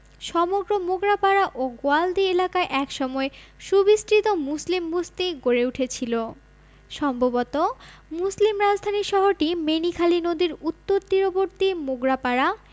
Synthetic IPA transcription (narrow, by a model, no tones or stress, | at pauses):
ʃɔmoɡɾomoɡɾapaɾaʔoɡoald̪ielakaeʔɛkʃɔmɔeʃubisʈɾit̪omuslimbust̪iɡoɾeuʈʰet͡ɕʰilo | ʃɔmbʱobot̪omuslimɾad͡ʑʱd̪ʱaniʃɔɦoɾʈimenikʰalinod̪iɾut̪ːoɾt̪iɾoboɾt̪imoɡɾapaɾa